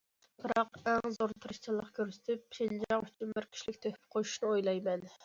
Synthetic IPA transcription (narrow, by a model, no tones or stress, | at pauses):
b̥ɨɾɑqæŋzoɾt̪ʰɨɾɨʃt͡ʃʰɨlˠːəqkʲøɾsɪ̥t̪ʰɪpːʃind͡ʒɑŋyt͡ʃʰymbɪɾkʲʰi̥ʃlɪkʲt̪ʰøhpʰɪ̥qʰoju̥ʃnɨojlˠɑjmɛn